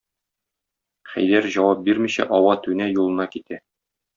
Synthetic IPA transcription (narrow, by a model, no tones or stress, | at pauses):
χæ̰jd̪æɾʑɒwɑp̚biɾmiɕæ̰ʔɒwɑt̪ʉnæjulˠɤ̆nɑkit̪æ